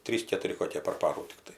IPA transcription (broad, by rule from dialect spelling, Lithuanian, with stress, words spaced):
ˈtʲrʲiːs kʲɛtʊˈrʲɪ koːˈkʲeː pɐr ˈpɑːruː tʲɪkˈtɐɪ